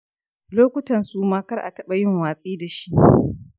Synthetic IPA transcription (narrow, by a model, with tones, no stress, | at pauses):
loː˦kʷʊ˦tɐ˨nsu˨maː˦kɐ˦rʔa̰˨tɐ˦ɓa˨jɪ˦ŋwaː˨sʼiː˦da˨ʃi˦ʔ